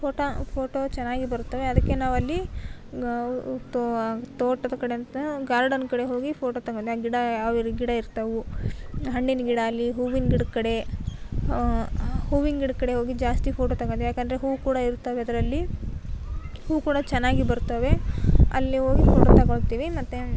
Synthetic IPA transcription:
pʰoːʈopʰoːʈot͡ʃɛnːaːɡibɐɾut̪ːɐʋeɐd̪ɐkːenaːʋɐlːi | t̪t̪oːʈːɐd̪ɐkɐɽeɐnt̪ɡaːɾɖɐnkɐɽe̞ɦo̞ːɡipʰoːʈoːt̪ɐɡod̪eaːɡiɽɐɐʋiɾɡiɽɐiɾt̪ɐʋu | ɦɐɳɖinɐɡiɽɐːlːiɦuːʋiŋɡiɽkɐɽe̞ | huːʋiŋɡiɽkɐɽe̞ɦo̞ːɡid͡ʒaːst̪ipʰoːʈot̪ɐɡod̪ejaːkɐnd̪ɐɾeɦuːʋukuːɽɐiɾt̪ːɐʋeɐd̪ɐɾɐlːi | huːukuːɽɐt͡ʃɛnːaːɡibɐɾut̪ːɐʋe̞ɐ̰lːiɦoːɡipʰoːʈot̪ɐɡoɭt̪iːʋimɐt̪ːe

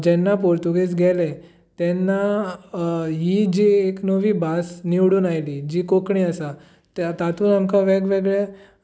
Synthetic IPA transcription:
d͡ʑɛnːapoɾt̪uɡet͡sɡʱɛle | t̪ɛnːa | ɦid͡ʑieknəʋiːbasniʋɽuːnajliːd͡ʑiːkokɳiasa | t̪t̪at̪uːnamkaʋɛɡʋeɡɭɛ

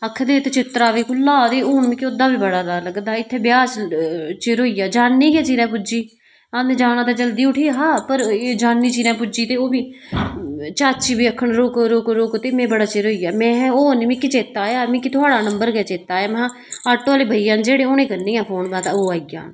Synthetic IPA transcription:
əkʰːd̪eːt̪et͡ʃɪt̪ɾaːʋiːkʊlaːd̪eːʊːnmĩːkɪod̪aːbiːbəɽaːɾaːləɡd̪aːɪt̪ʰːeːbɪjaːst͡ʃeɾoːiːjaːd͡ʒaːnːiːɡɛːt͡ʃiːɾɛ̃ːpʊd͡ʒiː | anẽd͡ʒaːnãːt̪aːd͡ʒəld̪iːʊʈʰiːɦaːpəɾeːd͡ʒaːnːiːt͡ʃiːɾãːpʊd͡ʒiːt̪eːoːbiː | t͡ʃaːt͡ʃiːbiːəkʰːəɳɾoːkɾoːkɾoːkt̪eːmɛ̃ːbəɽaːt͡ʃeɾoːijaːmɛ̃ːoːniːmɪ̃ːkɪt͡ʃeːt̪aːjaːmĩːkɪt̪ʰʊaːɽaːnəmbəɾɡɛːt͡ʃeːt̪aːjaːmɛ̃ː | aːʈːõːaːleːbʱəijãːnd͡ʒeːɽeːoːnẽːkəɾnĩːãːpʰoːnbãːt̪aːoːaːɡjã̰ːn

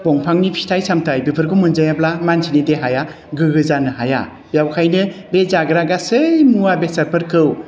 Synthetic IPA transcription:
bɔŋpʰaŋnipʰi̥stʰajsamtʰajbipʰɯɾɡɯmɯnzajablamansʰinideɦaja | ɡɯɡɯzanɯhaja̰ | bjawkʰajnɯbezaɡɯɾaɡasɯjmuwabesɐɾpʰɯɾkʰɯw

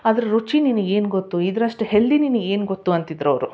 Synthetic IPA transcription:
ɐd̪ɐɾuɾut͡ʃininuɡe̞ːnuɡot̪ːuid̪ɐɾɐʂʈuheɭːininueːnuɡot̪ːuɐnt̪id̪ɾɐʋɾu

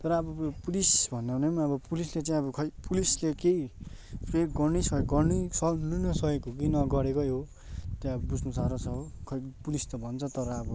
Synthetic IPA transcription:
t̪ʌɾʌːbʌpulisbʱʌnːanemaʌbʌpulislet͡sãĩʌbʌkʰʌpulislekeipeɡʌrnisʌekɡʌrnisʌlunʌsʌekokinʌɡʌɾekojɦo | t̪jãʌbʌbud͡zʱnusaɾʌt͡sʰʌɦokʰʌpulist̪ʌbʱʌnt͡sʰʌt̪ʌɾʌːbʌ

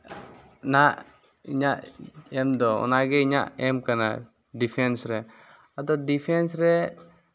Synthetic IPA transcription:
naʔ | iɲaʔɛmd̪ɔɔ̰naɡɛiɲaʔɛmkana̰ | dipʰɛnsɾɛ | at̪ɔdipʰɛnsɾɛ

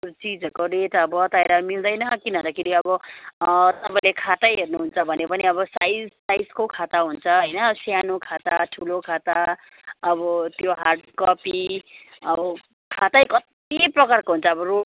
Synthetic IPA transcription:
t͡sid͡zʌkoɾeʈʌbʌt̪ajɾʌmild̪ʌjnʌkinʌ̃nd̪ʌkʰeɾiʌbʌ | t̪ʌpaĩlekʰat̪ajɦernuɦunt͡sʰʌbʱʌnepʌniʌbʌsajsajskokʰat̪aɦunt͡sʰʌɦʌjnʌsjanokʰat̪aʈʰulokʰat̪a | ʌbʌt̪joɦarɖkʌpi | ʌbʌ | kʰat̪ajkʌt̪ | iprʌkarkoɦunt͡sʰʌːbʌro

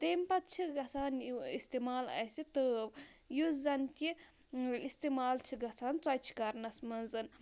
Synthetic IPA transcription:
t̪eːmpɐt̪̚t͡ʃʰiɡɐt͡sʰaːnuist̪eːmaːlɐ̰sit̪əːʋjuzɐnt̪ʲi | ist̪emaːlt͡ʃʰiɡɐt͡sʰaːnt͡swɐjt͡ʃʰi̥kɐɾnɐsmɐnzɨn

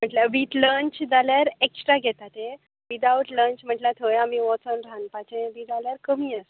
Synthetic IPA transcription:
m̤əʈljaʋiːt̪ləɲt͡ɕd͡zaljaɾeksʈɾaɡʱɛt̪at̪e | ʋid̪awʈləɲt͡ɕm̤əʈlat̪ʰəjamiʋɔt͡sənɾanpat͡ɕẽʋid͡zaljaɾkəmiːəs

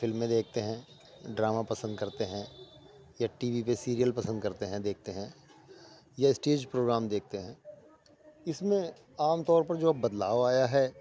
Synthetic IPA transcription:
fɪlmːẽd̪eːk̚ʰt̪eɦɛ̃ | ɖɾaːmapɐsə̃nd̪kɐɾt̪eɦɛ̃ | jaʈiːʋipesiːɾijəlpɐsə̃nd̪̚kɐɾt̪eɦɛ̃d̪eːk̚ʰt̪eɦɛ̃ | jaɪsʈeːd͡ʒpɾoːɡɾaːmd̪eːk̚ʰt̪eɦɛ̃ː | ɪsmẽ | aːmt̪ɔːɾpɐɾd͡ʒoːbɐd̪laːʋaːjaɦɛː

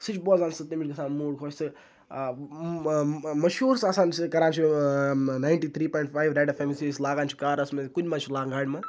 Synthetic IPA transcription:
sɨt͡ʃʰboːzaːnsɨt̪imʲiɾkɐsaːnmuːɽkʰoːt͡ʃʰsɨ | mɐʃuːɾsasaːnsʰikɐɾaːnt͡ʃʰi | naːjɳʈiːt̪ʰɾiːpɔːjɳʈfaːjʋɾaːɖɐfeːmisislaːɡaːnt͡ʃʰi̥kaːɾɐsmekudʲmɐt͡ʃʰilaːŋɡaːɽʲmɐ

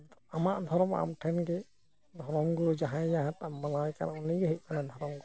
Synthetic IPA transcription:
amaʔd̪ʱɔɾɔma̰mʈʰɛnɡɛ | d̪ʱɔɾɔmɡɔd͡ʒaɦãjaɦat̪manajka̰naʔɔniɡɛɦəc̚kanad̪ʱɔɾɔmɡɔ

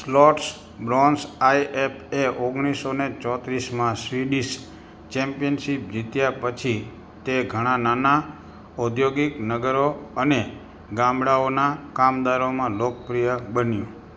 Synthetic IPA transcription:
slɔʈs | bɾɔ̃nsaiʔepʰeʔoɡɽ̃isonet͡ʃɔt̪ɾismãsɾiɖis | t͡ʃɛmpijənʃip̚d͡ʒit̪japət͡ʃʰi | t̪eɡʱəɽ̃anana | ud̪ʱjoɡiknəɡəɾoəne | ɡãmɽaonakamd̪aɾomãlok̚pɾijəbənjũ

